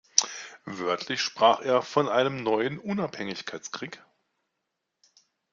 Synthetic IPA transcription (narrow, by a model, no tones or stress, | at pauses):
vœɐtʰlɪçʃpʁ̥aːχeːɐfɔnʔaɪnəmnɔʏənʔʊnaphɛŋɪçkʰaɪt͡skʁ̥iːk